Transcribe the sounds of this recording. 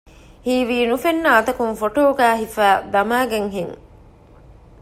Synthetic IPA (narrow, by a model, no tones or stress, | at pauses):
hiːʋiːnufenːɐːt̪ɐkunfoʈoːɡæːɦifæːd̪ɐmaːɡeŋɦiŋ